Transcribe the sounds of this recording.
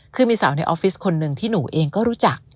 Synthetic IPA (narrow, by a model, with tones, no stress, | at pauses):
kʰɯː˧miː˧sa˩˦wna˧jʔɔː˦˥fi˦˥skʰo˧nːɯ˧ŋt̪ʰiː˥˩nuː˩˦ʔeː˧ŋkɔː˥˩ɾuː˦˥t͡ɕa˨˩k̚